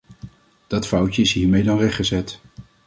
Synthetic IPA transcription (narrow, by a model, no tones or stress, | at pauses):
d̥ɑtfʌwt͡ʃəɪsɦiːɹmejdɑnrɛχχəzɛt